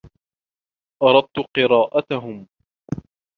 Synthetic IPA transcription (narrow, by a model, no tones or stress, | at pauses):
ʔɑɾˤɑd̪̚t̪ʊqɨɾɑːʔat̪aɦʊm